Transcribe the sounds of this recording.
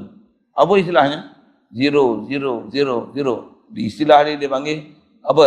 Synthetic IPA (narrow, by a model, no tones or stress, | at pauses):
abois̬ilahiɲa | ziɾoziɾoziɾoziɾo | disilahɾidebaŋɡe | abə